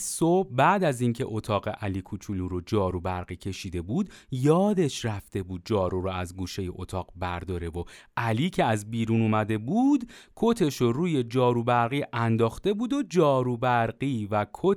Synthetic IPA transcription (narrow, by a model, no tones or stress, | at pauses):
sobbæd̪æzincʰe̞̰ʔot̪ʰɒːɣe̞ʔæliːkʰut͡ʃʰuluːɾod͡ʒɒːɾubæɾɡiːcʰe̞ʃiːd̪e̞buːd̪jɒːd̪e̞ʃræft̪e̞buːd̪̚d͡ʒɒːɾuɾɔæzɡuːʃe̞je̞ʔot̪ʰɒːɣbæɾd̪ɒːɾe̞voʔæliːcʰe̞æzbiːɾunuːmæd̪e̞buːd̪kʰot̪ʰe̞ʃoruːje̞d͡ʒɒːɾubæɾɣiːʔænd̪ɒːxt̪e̞buːd̪o̞d͡ʒɒːɾubæɾɢiːvækʰo